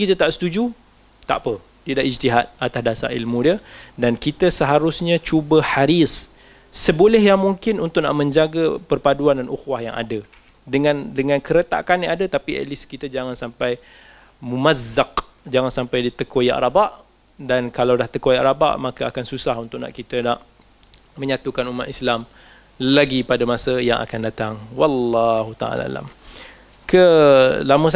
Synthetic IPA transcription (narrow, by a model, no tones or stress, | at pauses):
kit̪at̪aʔsə̥t̪ud͡ʒu | t̪a̰ʔpə | t̪idaʔid͡ʒt̪iɦat̪̚at̪asdasa̰rḭlmũdiədankit̪əsəɦaɾʊsɲãt͡ʃubəħaɾisː | əbolɛhjaŋmuŋkɪnunt̪ʊʔ̚na̰ʔmə̃ɲd͡ʒaɡapərpaduandanʔuxwahja̰ŋʔa̰də | dəŋãndəŋãnkəɾət̪a̰ʔkanjaadət̪apiʔə̰lɪskit̪əd͡ʒaŋansampaj | mumazːaq̚ | d͡ʒaŋansampajdit̪əkoja̰ʔrabaʔ | dankalawdaht̪əkoja̰ʔraba̰ʔmakaakansusaɦunt̪ʊʔna̰ʔkit̪ənaʔ | məɲat̪ukanumat̪̚islam | laɡipadamasəjaŋʔa̰kandat̪aŋwɑlːɑɦut̪a̰a̰la̰a̰la̰m | kəlaməs